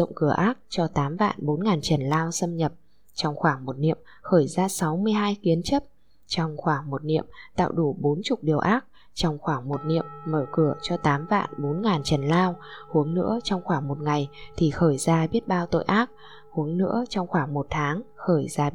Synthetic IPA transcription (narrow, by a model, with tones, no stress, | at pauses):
ə̰˧˨wŋ͡mkɨ˧˩əʔaː˦˥k̚t͡ɕɔ˧t̪aː˨˦mva̰ː˧˨nɓo˨˦nŋaː˨˩nt͡ɕə˨˩nlaː˧wsə˧mɲə˨˩p̚ | t͡ɕɔ˧wŋ͡mxwaː˧˩ŋmo˨˩t̚nḭ˧˨əm | xəː˧˩jzaː˧sa˨˦wmɨ˧əjɦaː˧jki˨˦ənt͡ɕə˦˥p̚ | t͡ɕɔ˧wŋ͡mxwaː˧˩ŋmo˨˩t̚nḭ˧˨əmt̪a̰ː˧˨wɗu˧˩ɓo˨˦nt͡ɕʊ˨˩k͡p̚ɗi˨˩əwʔaː˦˥k̚ | t͡ɕɔ˧wŋ͡mxwaː˧˩ŋmo˨˩t̚nḭ˧˨əmːəː˧˩kɨ˧˩ət͡ɕɔ˧t̪aː˨˦mva̰ː˧˨nɓo˨˦nŋaː˨˩nt͡ɕə˨˩nlaː˧whu˨˦əŋnɨ̰˧˥ət͡ɕɔ˧wŋ͡mxwaː˧˩ŋmo˨˩t̚ŋa˨˩jt̪ʰi˨˩xəː˧˩jzaː˧ɓi˦˥ət̚ɓaː˧wt̪o̰˧˨jʔaː˦˥k̚ | hu˨˦əŋnɨ̰˧˥ət͡ɕɔ˧wŋ͡mxwaː˧˩ŋmo˨˩t̚t̪ʰaː˨˦ŋxəː˧˩jzaː˧